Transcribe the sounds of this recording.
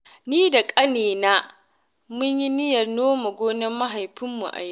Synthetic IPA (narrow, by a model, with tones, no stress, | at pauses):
niː˦da˨kʼɐ˦neː˨na˦ | mʊ˦ɲji˦nɪ˦jɐ˨rnoː˦ma˨ɡʷoː˦nɪ˦mːɐ˦ɦa˨jɸɪ˦mːṵ˨ʔa̰˨j